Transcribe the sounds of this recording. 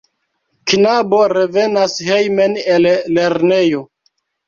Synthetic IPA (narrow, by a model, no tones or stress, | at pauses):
kinaboɾeve̞nashejmenelle̞ɾnejo̞